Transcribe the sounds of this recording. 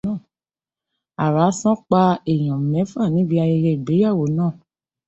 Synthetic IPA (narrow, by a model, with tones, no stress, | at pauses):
a˨ɾa˨˦sɔ̃˦k͡pa˧e˨j̃ã˨mɛ̃˨˦fa˦˨nĩ˨˦bi˧a˧ji˧ɾe˧i˨ɡ͡be˨˦ja˦˨wo˨˦nãː˦˨